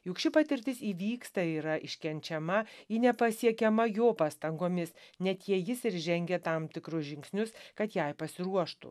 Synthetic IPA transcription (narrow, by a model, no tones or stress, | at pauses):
jukʃʲt͡ʃʲʊpɑːt̪ʲɪɾʲt̪ʲɪsiːʋʲiːkst̪ɐiːɾɐʔɪʃʲkʲɛnʲt͡ʃʲɛmɐɪnʲɛpɐsʲiɛkʲɛmɐjoːpɑːst̪ɐŋɡoːmʲɪsnʲɛt̪jiɛjɪsɪɾʒʲɛŋʲɡʲɛt̪ɐmt̪ʲɪkɾʊsʒʲɪŋksʲnʲʊskɐt̪jɛɪpɐsʲɪɾuɔʃt̪ʊ̰